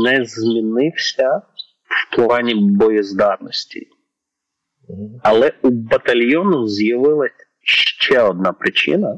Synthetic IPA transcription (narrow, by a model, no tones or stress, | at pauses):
nɛzmʲinɪwsʲɐ | wplˠɑnʲibɔjizd̪ɑt̪nɔsʲtʲḭ | ɐlˠɛubɐt̪ɐlʲjɔnɔzjɐʋɪlˠɐ | ʃt͡ʃɛɔd̪̚nɑpɾɪt͡ʃɪ̰nɐ